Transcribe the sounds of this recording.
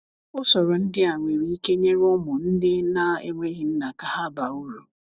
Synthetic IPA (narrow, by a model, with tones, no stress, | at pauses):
ʊ˦sɔ˨ɾɔ˨n̩˦dɪ˦a˨ŋʷe˨ɾi˨˦i˦ke˦ɲe˦ɾʊ˦mʊ˨n̩˦dɪ˦na˦ḛ˦ŋʷe˦ɦi˨n̩˦na˨ka˦ɦa˦ba˨u˦ɾu˨